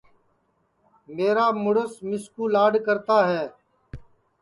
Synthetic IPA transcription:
meːɾaːmʊɽəsmɪskuːlaːɖkəɾt̪aːɦɛː

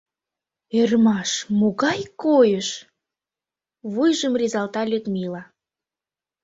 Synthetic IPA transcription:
ermɑʃmoɣɑjkojəʃ | βujʒəmrʲizɑlt̪ɑlʲyt̪milɑ

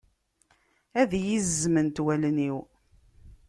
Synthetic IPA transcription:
æðjizːmənt̪wælniw

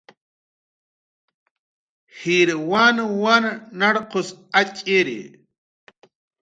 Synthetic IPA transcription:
hiɾwanwannaɽqʊsat͡ʃʼeɾḭ

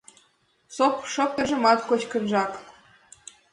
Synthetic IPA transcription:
sopʂopʲĕʒɤ̆mɑt̪kot͡ɕkɤ̆nʒɑk

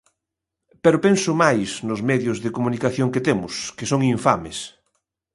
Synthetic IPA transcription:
peɾopensʊmajsnʊzmɛðjʊzðekomunikaθjoŋket̪emʊskesoŋiɱfames

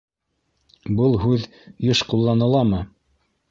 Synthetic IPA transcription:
bɤlˠɦʉð | jɤʃqulˠːɑnɤ̆lˠɑmɤ

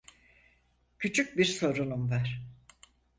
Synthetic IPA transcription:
cʰyt͡ʃʰyc̚biɾso̞ɾunumvaɾ̥

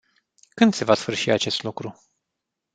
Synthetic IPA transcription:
kɨnd̪se̞vasfɨrʃiat͡ʃe̞st̪lukɾu

